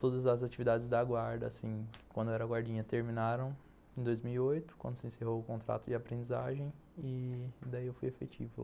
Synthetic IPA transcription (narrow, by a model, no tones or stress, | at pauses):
t̪od̪ɐzɐzat͡ʃivid̪ad͡ʒɪzd̪ɐɡwaɾd̪ɐ̰ːsĩkwɐ̃nd̪ʊɛɾɐaɡwaɾd͡ʒĩɲɐt̪eɾmĩnaɾɐ̃w̃ | ẽd̪ojzmiwiojt̪ʊ̥kwɐ̃nd̪ʊsɪẽseɦowʊkõnt̪ɾa̰t̪ʊd͡ʒɪapɾẽnd͡ʒiza̰ʒẽj̃ | ɪd̪aiewfujefet͡ʃḭvʊ